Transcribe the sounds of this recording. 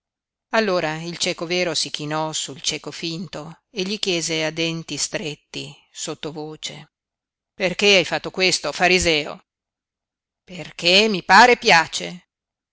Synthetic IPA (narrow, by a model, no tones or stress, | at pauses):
alːoːɾailt͡ʃɛːkovɛːɾosik̟inɔsult͡ʃɛːkofint̪o | eʎikjɛːzead̪ɛnt̪ist̪ɾet̪ːi | sot̪ːovoːt͡ʃe | perkeajfat̪ːokwest̪ofaɾizɛːo̰ | perkemːipaːɾepjaːt͡ʃe